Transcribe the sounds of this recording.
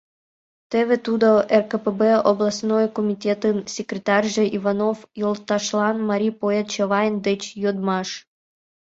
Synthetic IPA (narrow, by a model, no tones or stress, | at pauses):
t̪ĕβʲĕt̪ud̪oʔerkəpebeoblˠɑsnojkomʲitʲet̪ɨnsʲekɾʲet̪ɑrʲʒĕʔivanofjolˠt̪ɑʃlˠɑnmaɾʲipoet̪̚t͡ɕeʋɑjnd̪et͡ɕjod̪mɑʃ